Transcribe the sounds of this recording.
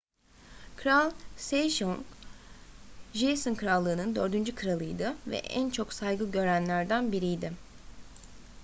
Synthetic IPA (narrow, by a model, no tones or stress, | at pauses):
kʰɾalʲˠseʃoŋ | ʒejsonkʰɯɾalˠːɯːnɯnd̪ø̞ɾd̪ynd͡ʒykʰɯɾalˠɯjd̪ɯvɛ̰ʔænt͡ʃʰo̞ksajɡɯɟø̞ɾænlʲæɾd̪ænbiɾijd̪ɪ